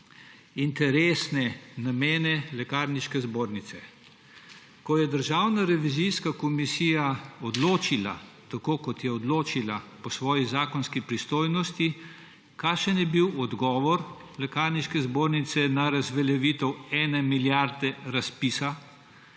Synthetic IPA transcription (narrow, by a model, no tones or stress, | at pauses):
int̪ɛɾeːsnɛnameːnɛlɛkaɾniʃkɛzboːɾnit̪sɛ | kɔjɛd̪əɾʒaːwnaɾɛʋiziskakɔmisiːjaɔd̪loːt͡ʃila̰ | t̪akoːkɔt̪jɛɔd̪loːt͡ʃilapɔsʋɔːjizaːkɔnskipɾist̪oːjnɔst̪i | kaːʃənjɛbiwɔd̪ɡɔːʋɔɾ | lɛkaɾniʃkɛzboːɾnit̪sɛnaɾazʋɛlɛʋiːt̪ɛwɛːnɛmiljaɾd̪ɛɾaspisa